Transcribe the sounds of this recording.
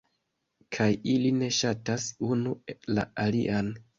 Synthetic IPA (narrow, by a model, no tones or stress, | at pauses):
kʰajiline̞ʃatasunula̰alḭʔan